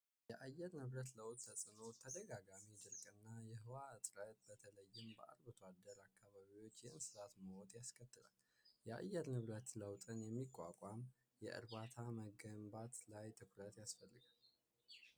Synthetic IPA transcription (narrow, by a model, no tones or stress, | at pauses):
jɛʔajːɛɾnɨβɾət̪ləwt̪ʼt̪ʰəsʼɨno̞t̪ʰəd̪əɡaɡamid̪ɨɾkʼɨnːajɛɦɨwaɨt̪ʼɾət̪̚bət̪ʰələjːɪmbə̰ʔa̰ɾbɨt̪ʰwad̪ːəɾakʰːaβaβiwo̞t͡ʃːjɛʔɨnsɨzat̪məhot̪jaskʰət̪ːɨla̰l | jɛa̰jːɛɾnɨβɾət̪ləwt̪ʼɨnjɛmːikʼːa̰kʷʼam | jɛ̰ʔɨ̰ɾβat̪ʰaməɡəmbat̪lajt̪ʰɨkɾət̪jasfəlːɨɡal